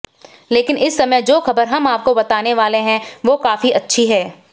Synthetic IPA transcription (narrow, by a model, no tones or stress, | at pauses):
leːkɪnɪsːɐməjd͡ʒoːxɐbəɾɦɐmaːp̚kobɐt̪aːneʋaːleɦɛ̃ʋoːkaːfiʔɐtːʃʰiɦɛː